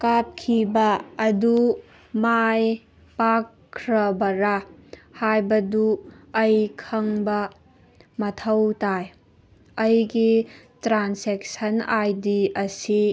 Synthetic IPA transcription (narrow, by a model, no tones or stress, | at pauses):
kap̚kʰibɐːdu | maj | pakʰ | ɾɐbɐɾahajbɐduɐjkʰɐŋbɐ | mɐtʰɐwtaj | ɐjɡi | tɾansek̚sɐnajdiɐsi